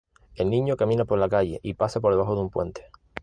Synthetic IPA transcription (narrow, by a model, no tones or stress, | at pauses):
e̞lnĩɲokamĩnapo̞ɾlakaʎe̞̰ʔipasapo̞ɾðaɦoðumpwẽ̞̰nt̪e̥